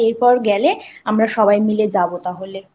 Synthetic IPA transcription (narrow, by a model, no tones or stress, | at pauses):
eɾpɔɾɡɛleamɾaʃɔbajmiled͡ʑabot̪aɦole